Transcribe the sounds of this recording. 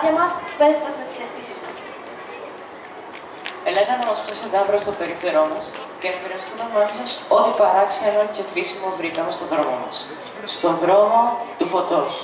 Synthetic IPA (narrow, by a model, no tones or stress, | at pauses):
ɐmɐsvezond̪ɐzmet̪i̥sɐst̪isizmɐs | elet̪ɐnɐmɐsft̪eseðɐvɾost̪o̞pe̞ɾipt̪e̞ɾo̞mɐs | cenɐpeɾɐst̪ume̞mɐzisɐso̞t̪ipɐɾɐksiɐnoce̞xɾisimo̞vɾikɐmest̪o̞ðɾo̞momɐ̰s | st̪o̞ðɾo̞mot̪ufo̞t̪o̞s